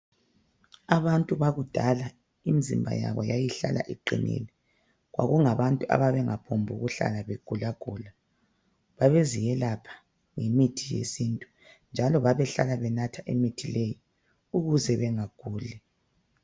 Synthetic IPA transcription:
aβantʼuβaɣud̥ʱala | imizḭmbʱa̰ja̰βɔjajiɬa̰lʔa̰ʔiǃḭnḭli | ɣwa̰ɣuŋaβantʼuʔa̰βaβɛŋapʰombʱuɣuɬa̰laβeɡ̥ʱulaɡ̥ʱula | βaβezijɛlapʰḁ | ŋemitʰijḛsintʼu̥ | nd͡ʒʱalɔβaβɛɬa̰laβɛnatʰaʔemitʰileji | uɣuzɛβɛŋaɡ̥ʱuːlɛ

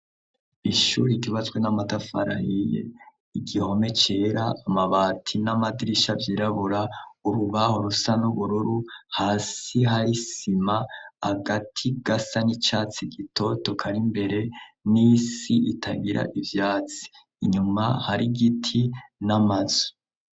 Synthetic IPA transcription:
iʃuɾiɡiβat͡sɡwenamatafa̰ɾa̰hijḛ | iɡiho̞me̞t͡ʃe̞ːɾaːmaβaːtʰinamadiɾiʃavjiːɾaβuɾauɾuβahoɾusanuβuɾuɾuhaːsiɦaɾisimaaɡatʰiɡ̥asanit͡ʃaːt͡siɡitʰo̞to̞kʰaɾimbe̞ɾe̞nisiʔitʰaɡiɾʔa̰ʔivjaːt͡si̥ː | ɲumahaɾiɡitʰinamaz̥u̥

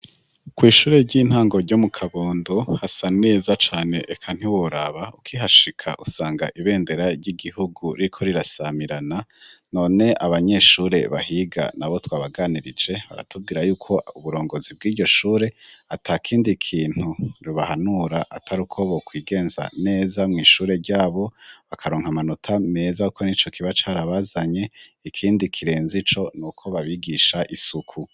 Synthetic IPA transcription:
kwiːʃuːɾe̞ɟiːn̥haːŋɡo̞ɾɟomukʰaβoːndohasaneːzat͡ʃaːne̞ʔekʰan̥hiwoɾaβaukʰiɦaʃikʰa̰ʔusaːŋɡa̰ʔiβe̞ːnde̞ɾaɾɟiɡihuɡuɾikʰo̞ɾiɾasamiɾanano̞ːne̞ʔaβaɲe̞ʃuːɾe̞̰βa̰hiɡa̰naβo̞twaːβaɡaːniɾid͡ʒe̞βa̰ɾa̰tub̚ɡiːɾajuːkʰo̞uβuɾo̞ːŋɡo̞zib̚ɡiːɟo̞ʃuːɾe̞atʰakʰiːndikʰiːn̥huɾuβahanuɾaʔa̰tʰaɾukʰo̞βokwiːɡe̞ːnza̰ne̞ːzamŋiːʃuːɾe̞ɾɟaːβo̞βakʰaɾoːŋhamanotʰame̞zaukonit͡ʃo̞kʰiβat͡ʃaaɾaβazaɲe̞ikʰiːndikʰiɾe̞ːnzit͡ʃo̞nuːkʰo̞βaβiɡiʃaʔisukʰu

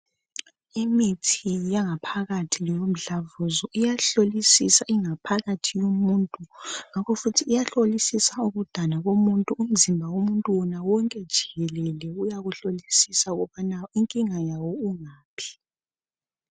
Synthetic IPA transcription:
imitʰijaŋapʰaɣatʰilijom̩ɮavuzɔijaɬolisisaʔiŋapʰaɣatʰijumuːntʼuŋakʰɔfutʰiːjaɬolisisauɣud̥ʱanaɣomuntʼuːm̩zimbʱawomuntʼuwɔnawɔŋkʼɛd̥ʒ̥ʱiɣɛlɛlɛujaɣuɬolisisauɣɔβanaiŋkʼiŋajawɔuŋaːpʰi̥

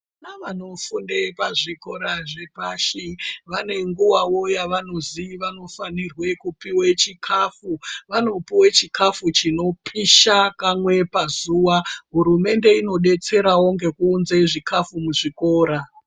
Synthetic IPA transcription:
naʋano̞fundepaʐiko̞ɾaʐepaːʃiʋane̞ŋɡuwawo̞jaʋano̞ziʋano̞fanirwe̞kupiwet͡ʃikʰafuʋano̞piwet͡ʃikʰafut͡ʃino̞pʰiʃakamwe̞pazuwaɦuɾume̞nde̞ino̞ɗe̞t͡se̞ɾawoŋɡe̞kuːnzeʐikafumuʐiko̞ːɾa

